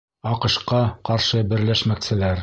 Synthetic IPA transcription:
ɑqɤ̆ʃqɑqɑɾʃɤbɘ̆ɾlæʃmæksɘ̆læɾ

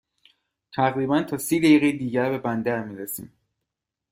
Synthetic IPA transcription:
t̪ʰæʁɾiːbænt̪ʰɒːsiːd̪æjiɣejed̪iːɟæɾbe̞bænd̪æɾmiːɾesḭːm

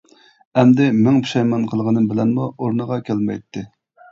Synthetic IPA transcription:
ɛmd̪ɪmɪŋpi̥ʃɑjmɑnqʰəlˠʁənɨbɪlɛnmuoɾnəʁɑkʲʰælmɛ̰jt̪ʰːɪ

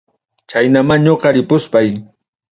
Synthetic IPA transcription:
t͡ʃajnamaŋɲoqɑɾɪpʊspaj

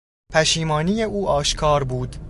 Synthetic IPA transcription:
pʰæʃiːmɒːnije̞ʔuːʔɒːʃkʰɒːɾbuːd̪

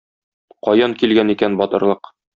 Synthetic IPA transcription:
qɒjɑŋkilɡænikænbɒt̪ɤ̆ɾlˠɤq

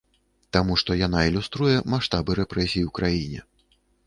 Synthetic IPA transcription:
t̪amuʂt̪ɔjanailʲust̪ɾujɛmaʂt̪abɨɾɛpɾɛsʲijiuwkɾajinʲɛ̰

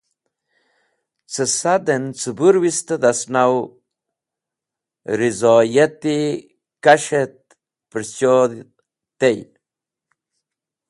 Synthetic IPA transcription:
t͡səsad̪ent͡səbuɾwist̪əd̪asnaw | ɾizojet̪i | kaʃet̪̚ | pəɾt͡ʃod̪ | t̪ej

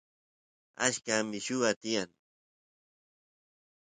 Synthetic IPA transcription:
a̰ʃkamɪʃʊɢat̪ɪjaŋ

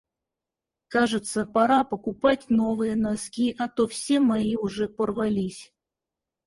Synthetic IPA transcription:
kaʐɨt̪səpɐɾapəkʊpatʲno̞vɨjənaskʲiʔɐt̪ofsʲe̞maiʊʐɛpərvalʲisʲ

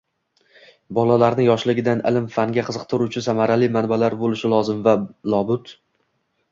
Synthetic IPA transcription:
bɒlalaɾnɪjɒʃlɪɡʲɪd̪anɪ̰lɪmfaŋɡʲaqʰɨzɨq̚t̪ʰɪɾut͡ʃʰɪsamaɾalɪmanbalaɾbolɪʃɪlɒzɪmvalˠɒbʊt̪

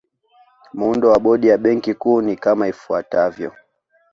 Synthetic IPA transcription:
mundɔwaɓɔɗijaɓɛŋkikuːnikamaifuatavjɔ̰

